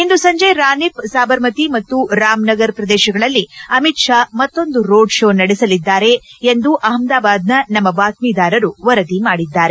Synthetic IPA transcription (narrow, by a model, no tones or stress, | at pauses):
ind̪usɐɲd͡ʒɐjɾaːnipsaːbɐɾmɐt̪imɐt̪ːuɾaːmnɐɡɐɾpɾɐd̪ɛːʃɐɡɐɭɐlːiɐmit̪ʂamɐt̪ːo̞nd̪uɾo̞ːɖʂo̞ːnɐɽisɐlid̪ːaːɾe̞ːnd̪uʔɐɦɐmd̪aːbaːd̪̚nɐnɐmːɐʋaːt̪miːd̪aːɾɐɾuʋɐɾɐd̪imaːɽid̪ːaːɾe